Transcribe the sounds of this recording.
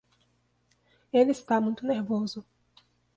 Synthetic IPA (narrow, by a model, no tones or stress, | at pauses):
elɪist̪amũj̃t̪ʊneɾvozʊ